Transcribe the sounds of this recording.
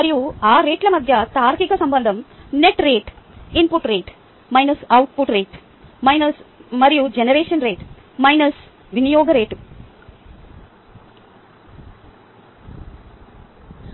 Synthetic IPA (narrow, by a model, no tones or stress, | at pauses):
mɐɾijuaːɾe̞ːʈlɐmɐd̪ʱjɐt̪aːɾkikɐsɐmbɐnd̪ʱɐmneʈɾeːʈimpuʈɾeːʈ | mɐjnɐsɐwʈpuʈɾeːʈ | mɐjnɐsmɐɾijud͡ʒenɐɾeːʂɐnɾeːʈ | mɐjnɐs | ʋinijoːɡɐɾeːʈ